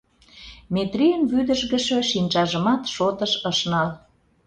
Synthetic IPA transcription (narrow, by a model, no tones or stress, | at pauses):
met̪rijənβyd̪əʒɣə̆ʃø̆ʃinʲt͡ʃɑʒəmɑt̪ʃot̪əʃəʃnɑl